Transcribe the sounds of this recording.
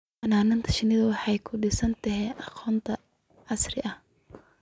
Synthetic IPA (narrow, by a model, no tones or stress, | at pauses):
ʔɐnaːnɪnt̪ʰɐ̥ʃɪnɪðɐwɑħɑjkʰʊɖɪsɐnt̪ʰɐɦɛʔɑqɔːnt̪ʰɐ | ʕɑsrɪʔɐh